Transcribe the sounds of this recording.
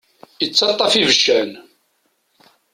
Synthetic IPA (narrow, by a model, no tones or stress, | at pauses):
jət͡sːɑt̪ˤːɑfivəʃːæn